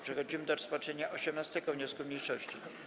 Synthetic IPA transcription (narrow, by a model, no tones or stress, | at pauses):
pʂɛxɔd͡ʑimɘd̪ɔɾɔspat͡ʂɛɲaʔɔɕɛmnast̪ɛɡɔvɲɔskumɲejʂɔɕt͡ɕi